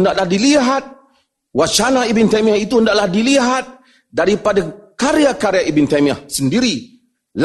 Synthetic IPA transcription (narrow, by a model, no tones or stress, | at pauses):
ndaʔlahdiliɦat̪̚ | wat͡ʃanaibint̪amiahit̪undaʔlahdiliɦat̪̚ | daɾipadakaɾiakaɾeaʔibint̪amiahsəndiɾi | l